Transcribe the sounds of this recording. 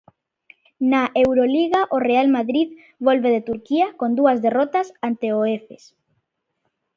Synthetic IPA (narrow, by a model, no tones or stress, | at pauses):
naʔewɾoliɣaʔorealmaðɾið | βolβeðet̪uɾkiakond̪uɐzðerɔt̪asant̪eoefes